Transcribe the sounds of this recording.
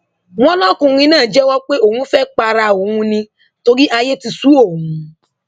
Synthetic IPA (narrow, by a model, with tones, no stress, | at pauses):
w̃ɔ̃˦lɔ̃˦kũ˧ɾ̃ĩ˧˦nãː˦˨d͡ʒɛ˦wɔ˦k͡pe˦o˦˨hũ˧˦fɛ˦k͡pa˧ɾa˧o˨hũ˧nĩ˧ | to˧ɾi˦ʔa˧je˦ti˧su˦o˦˨ɦũ˨˦